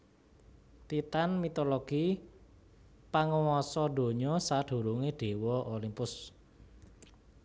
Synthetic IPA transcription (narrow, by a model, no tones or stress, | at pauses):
t̪it̪anmit̪oloɡ̥i | paŋəwɔsɔɖ̥o̤ɲɔsaɖ̥ṳɾuŋeɖ̥e̤wɔʔolimpʊs